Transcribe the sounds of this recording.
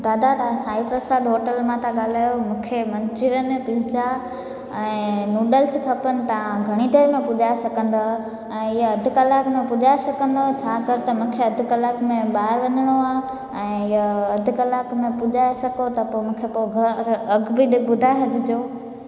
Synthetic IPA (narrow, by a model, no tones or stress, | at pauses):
t̪aːd̪at̪ɐsaːipɾɐsaːd̪ɦoːʈəlmãt̪ʰãɠaːl̤aːjomũːkʰemɐ̃ɲt͡ʃɪɾənɪ̆pɪld͡ʑa | ɛ̃ːnuːɖəlskʰɐpənɪ̆t̪ɐãɡʱɐɽ̃id̪ʱeːɾmẽpʊd͡ʒʱaːesɐkə̃nd̪a | ɛ̃ːɪjaɐd̪ʱʊkɐlaːkmẽpʊd͡ʒʱaːesɐkə̃nd̪ot͡ɕʰaːkɐɾɪt̪ɐmũːkʰeɐd̪ʱʊkɐlaːkmẽɓaːɪɾʋɐɲəɽ̃oaː | ɛ̃ːɪjaɐd̪ʱʊkɐlaːkmẽpʊd͡ʒaːesɐɡot̪ɐpomũːkʰepoɡʱɐɾɐɡbɪɗɪbʊd̪ʱaːeɦɐd͡ʑʱɪd͡ʑoː